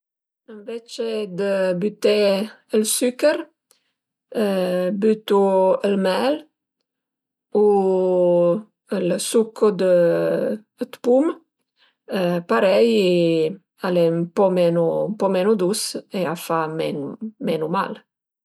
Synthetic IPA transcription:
əɱvɛt͡ʃed̪əbyt̪e | əlsykəɾ | byt̪uəlmɛl | u | əlsukʰod̪ə | ət̪pum | əpaɾɛj | aleəmpɔmɛnumpɔmɛnud̪useafamɛ̰nmɛnuma̰l

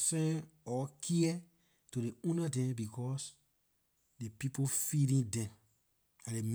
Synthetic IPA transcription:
sɛ̃ɔkʰiɛ | tudeũnadɛ̃mbikʰɔs | depipofilĩdɛ̃m | adem

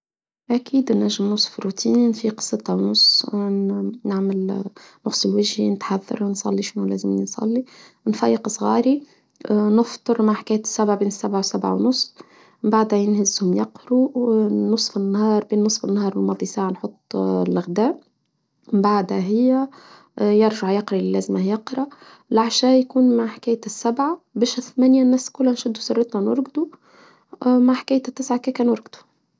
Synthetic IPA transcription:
ʔækʰiːd̪næʒːɪmnʊsˤːfɾut̪ʰiːnnfiːqsːˤət̪ˤːɑwnʊsˤː | naʕmɪlnʊsˤɪlwɪʒhinɪt̪ħaðːɑ̰ɾˤwnsˤɑ̰lːiʃnulæːzɪmsˤɑ̰lːi | nfæjːɪqsˤɣɑːɾi | nəft̪ˤɨɾmaʕħḁkæːj̪sːæbʕabeːnɪsːabʕawsabʕa̰wnʊsˤ | mbaʕd̪hæjɪnhɪzhʊmjɑqɾunːʊsˤfɪnːhɑːɾˤbeːnːʊsˤfɪnːhɑːɾˤwɪlmɑːd̪ˤisaːʕanħot̪ˤːlɪɣd̪æːʔ | baʕd̪hæɦɪjːæ | jɪɾˤʒaʕjɑqɾɑlɪlːæːzmajɑqɾˤɑ | lʔaʕʃæːjkuːnmaʕħkæːjasːabʕabɪʃɪθmænjanːæːskʊlːænʃɪd̪ːusɑrˤːɪt̪nanʊ̰ɾˤɡd̪u | maʕħkæːj̪t̪ːɪsʕakæːkæːnʊɾɡd̪u̥

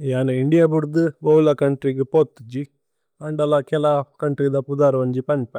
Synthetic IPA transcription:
jaːnɐiɳɖijabuɾd̪ɨʋɐwlakɐɳʈɾiɡepot̪ːd͡ʒi | ɐɳɖɐlakɛlakɐɳʈɾid̪ɐpud̪aːɾʋɐɲd͡ʒipɐnpɐ

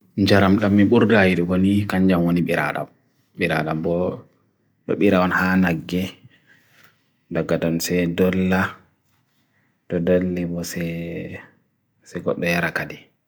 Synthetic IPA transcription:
ɲd͡ʒaɾamɗamːiɓuɾdajiɗiwonikaɲd͡ʒamwoniɓiɾa̰ɗa̰m | ɓiɾa̰ɗambɔ | ɗɔ̰ɓiɾaɔnhanaɡːɛ | daɡːadɔnsɛdɔlːa | tɔdolːɛbɔsɛ | sɛɡɔ̰ɗːɔjaɾakadi

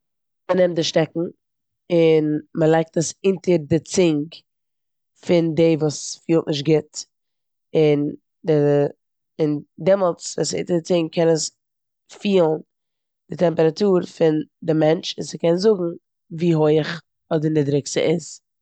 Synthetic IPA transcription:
mənɛmt̚dɪʃtɛkŋ̩ | ɪnməlˠaɪk̚təsɪntəɾdɪt͡sɪŋk | fɪndeːvuːsfiːlˠtnɪʃ̬tɡɪt | ɪn | dɪ | ɪndɛmɔlˠt͡svṵːsɪ̰ntəɾdɪt͡sɪŋɡkʰɛnəs | fiːlˠn | d̥ɪtɛmpəɾatuːɾfɪndɪmɛnt͡ʃɪnsɪkɛnzʊɡŋ̩ | viːɦoɪəχ | ɔdənɪdɾɪksə̰ʔɪz

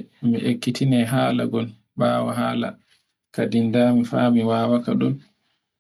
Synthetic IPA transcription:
miʔekːitʰinɛɦaːla̰ɡɔn | baːwaɦaːla̰ | kadindamifaːmiwaːwakaɗun

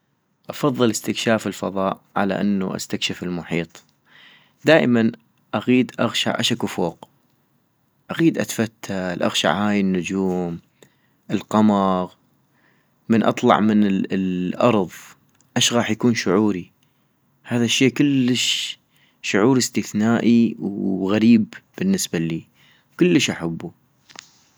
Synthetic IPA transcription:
ʔɑfɑðˤːɨlɪst̪ɪkʃaːfɪlfɑ̰ðˤɑːʔʕa̰la̰ʔanːṵʔa̰st̪akʃɪfɪlmʊħiːt̪ˤ | d̪aːʔɪman | ʔaɣiːd̪ʔɑɣʃa̰ʕʔa̰ʃakːʊfoːq | ʔaɣiːd̪ʔat̪fat̪ʰːalʔa̰ɣʃa̰ʕhaːjɪnːʊd͡ʒuːm | ʔɪlqɑmɑɣ | mənʔɑ̰t̪ˤlɑ̰ʕmɪnlʔɑ̰ɾˤðˤ | ʔaʃɣaːħjakuːnʃʊʕuːɾi | haːðaʃːeːkʊlːəʃ | ʃʊʕuːɾɪst̪ɪθnaːʔiwɣaɾiːbb̥ɪnːɪsbaliː | wkʊlːəʃʔaħabːu

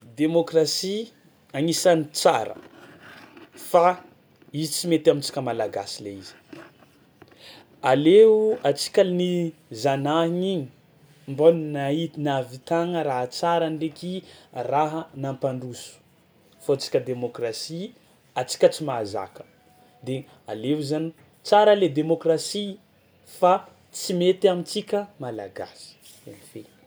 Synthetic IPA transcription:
d̪emokrasi | aŋisanit͡saɾə̰ | fa | izit͡simet̪amint͡si̥kʲəmalaɡasileizi̥ | aleuat͡si̥kʲalnizanaiɲiɲi̥ | mbonnainavit̪aŋəɾaɦət͡saɾandekiraɦənampaɳɖ͡ʐusu̥ | fot͡si̥kʲəd̪emokrasi | at͡si̥kʲət͡simaza̰kə̥ | d̪e | a̰leuzani | t͡saɾəled̪emokrasi | fa | t͡simet̪amit͡sikʲəmala̰ɡa̰si̥ | ḛnife

